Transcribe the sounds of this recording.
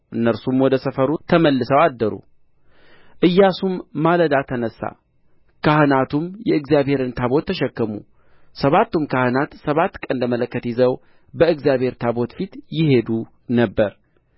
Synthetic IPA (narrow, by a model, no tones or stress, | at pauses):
ʔɨnːəɾsumwɔd̪əsəfəɾut̪ʰəməlːɨsəwad̪ːəɾṵ | ʔɨjːasumːaləd̪at̪ʰənəsːa̰ | kahɨnat̪umjɛɨɡzijaβhe̞ɾɨnt̪ʰaβo̞t̪ʰːəʃɛkːəmṵ | səβat̪ːumkʰahɨnat̪səβat̪ːkʼənləmələkːət̪jɪzəw | bəɨɡzijaβhe̞ɾt̪ʰabo̞t̪fit̪jɪhe̞d̪u | nəbːəɾ